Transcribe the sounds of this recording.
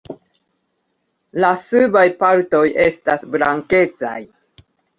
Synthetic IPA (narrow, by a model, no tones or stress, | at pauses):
lasɨbajpaɾto̞je̞stasblaŋke̞t͡sa̰j